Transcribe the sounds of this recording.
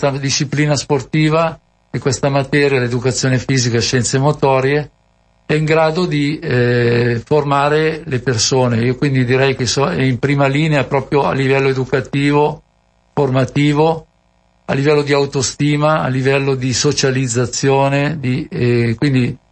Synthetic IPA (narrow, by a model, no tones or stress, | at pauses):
t̪ad̪iʃːipliːnasport̪iːva | ekːwest̪amat̪ɛːɾjaled̪ukat̪sːjoːnefiːzikaʃɛnt̪semot̪ɔːɾje | ɛiŋɡɾaːd̪od̪i | formaːɾelepersoːneiːokwind̪id̪iɾɛjkesoɛimpɾiːmaliːneapɾɔːpɾjoa̰lːivɛlːoed̪ukat̪iːvo | format̪iːvo | a̰lːivɛlːod̪iawt̪ost̪iːma̰ːlːivɛlːod̪isot͡ʃalid̪zːat̪sːjoːned̪ikwind̪i